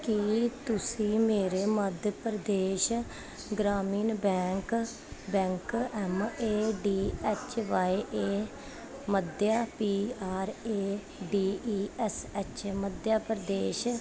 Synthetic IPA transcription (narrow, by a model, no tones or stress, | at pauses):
kit̪ʊsĩːmeːɾeːməd̪pəɾəd̪eːʃ | ɡɾaːmiːnbɛ̃ːŋk | bɛ̃ːŋkɛmeːɖiːɛt͡ʃʋaːiʔeː | məd̪jaːpiːaːɾeː | ɖiːiːɛsɛt͡ʃməd̪jaːpəɾd̪eːʃ